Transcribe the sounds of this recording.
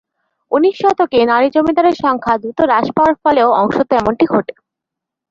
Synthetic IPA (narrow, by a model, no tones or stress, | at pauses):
uniʃːɔt̪okenaɾid͡ʑomid̪aɾeɾʃɔŋkʰad̪ɾut̪oɾaʃpaaɾfɔleoɔŋʃot̪oɛmoɳʈiɡʱoʈe̥